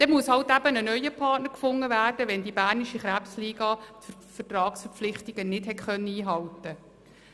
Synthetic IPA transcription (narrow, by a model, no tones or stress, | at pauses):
d̥ɛmuəshɑwtæbənənœʏəpʰɑːtnəɾkfʊŋːəʋæːrd̥əʋɛndibæːrniʃiχɾæpsliːɡ̥ɑːt̪ə | fərtrɑːksfəɾp͡flɪχtɪɡ̥ənɪthɛtχœnːəiːɦɑltə